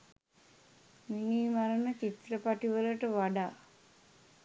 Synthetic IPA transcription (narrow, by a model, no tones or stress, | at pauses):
miŋiːmaɾənət͡ʃit̪ɾəpaʈiʋələʈəʋaɖaː